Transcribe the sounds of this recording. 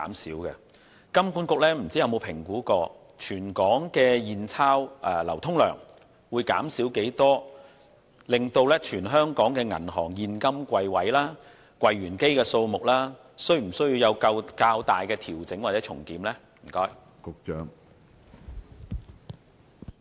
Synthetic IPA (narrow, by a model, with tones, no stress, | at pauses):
a̰ː˨˥msiː˨˥wkɛ˧ | kɐ˥mkuː˥nkʊ˨k̚lɛː˥m̩˨˩t͡si˥jɐ˧wmo˨˧wpʰɪ˨˩ŋkuː˨˥kɔː˧ | t͡ʃʰyː˨˩nkɔː˨˥ŋkɛː˧jiː˨nt͡sʰaː˥wʔɛː˧lɐ̰˨˩wt̪ʰʊ˥ŋlœ̰ː˨˩ŋ | wuː˨˧jka̰ː˨˥msiː˨˥wke˨˥jt̪ɔː˥ | lɪ˨ŋt̪o˧wlɛː˥t͡ʃʰyː˨˩nɦœː˥ŋkɔː˨˥ŋkɛː˧ŋɐ̰˨˩nɦɔː˨˩ŋjiː˨˧nkɐ˥mkʷɐ˧jwɐ˨˥jlaː˥ | kʷwɐ˧jɥyː˨˩nke˥jkɛː˧so˧wmʊ˨k̚laː˥ | sɵ˥ɥm̩˨˩sɵ˥ɥji˧wjɐ˨˧wkɐ˧wkaː˧wt̪aː˨jkɛː˧t̪ʰiː˨˩wt͡sɪ˨˥ŋwaː˨t̚t͡sɛː˨˥t͡ʃʰʊ̰˨˩ŋkiː˨˥mlɛ˥ | m̩˨˩kɔː˥j | kʊ˧k̚t͡ʃœː˨˥ŋ